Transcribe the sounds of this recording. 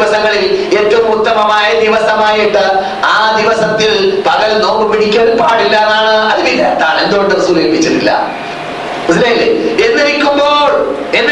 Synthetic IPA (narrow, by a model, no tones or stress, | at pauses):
ʋɐsɐŋːɐɭile̞ːtːɐʋumut̪ːɐmɐmaːjɐd̪iʋɐsɐmaːjiʈːɨ | aːd̪iʋɐsɐt̪ːilpɐɣɐlno̞ːkːɨpiɽikʲːɐɽpaːɽilːɐɐnːaːɳɨɐðɨʋilɐt̪ːaːɳe̞nd̪uɣoɳɖɐrɐsuːleːpːit͡ɕːɐðilːɐ̰ | mɐslele̞nːiɾikʲːumboːɭ | e̞nː